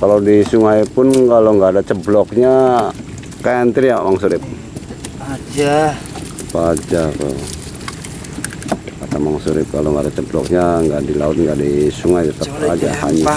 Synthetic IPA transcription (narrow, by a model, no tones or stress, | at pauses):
kalowdisuŋajpʊnkaloŋɡaːdat͡ʃəblɔk̚ɲa | kaant̪iɾijamaŋsuɾɪp̚ | ad͡ʒa | əpad͡ʒako̰ | kat̪amaŋsuɾɪp̚kaloŋɡadat͡ʃəblɔ̰k̚ɲaŋɡaʔdilaʊt̪̚ŋɡaʔdisuŋajtat̪əpad͡ʒaha̰ɲa